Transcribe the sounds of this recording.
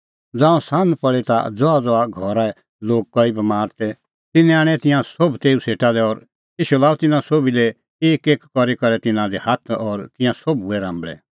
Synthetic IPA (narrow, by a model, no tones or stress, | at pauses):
d͡zaːɔ̃sãːnd̪pɐɭɛt̪a̰d͡zɔad͡zɔaɡʱɔɾaɛ | loːɡ̚kɔibɐmaːɾt̪ɛ | t̪ɪnɛ̃aːɽ̃ɛt̪ɪ̃jãsobt̪eːũseːʈad̪ɛɔːɾ | iːʃulaːut̪ɪnãsoːbilɛ | eːkeːkːɔɾikɐɾɛt̪ɪnãd̪ɛhat̪ʰɔːɾt̪ɪ̃jãsɔbuɛɾãːmbɭɛ̰